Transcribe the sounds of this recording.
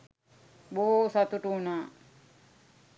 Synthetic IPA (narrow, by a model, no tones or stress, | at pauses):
boːsat̪uʈunaː